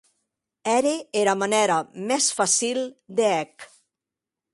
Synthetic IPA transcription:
ɛɾeeɾamanɛɾamɛsfasilˠd̪eɛk

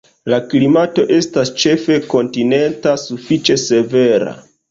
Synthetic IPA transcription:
laklimato̞ʔe̞stast͡ʃe̞fe̞ko̞ntine̞ntasufit͡ʃe̞se̞ve̞ɾa̰

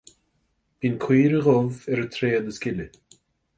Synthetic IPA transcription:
b̥iːnkʰwiːɾəɣɔvɛɾət̪ʰɾeːəd̪əskʲɪlɪ

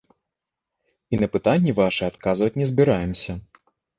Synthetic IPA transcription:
inɐpɨt̪anʲːɛvaʂɨat̪kazvɐt͡sʲnʲɛzʲbʲiɾajɛmsʲɐ

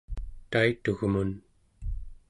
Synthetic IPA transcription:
t̪ait̪uɣmun

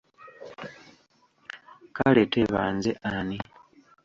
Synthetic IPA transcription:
kaleteβa̰ːnzeʔani

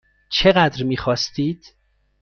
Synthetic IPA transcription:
t͡ʃʰe̞ɣæd̪ɾmiːxɒːst̪iːd̪̥

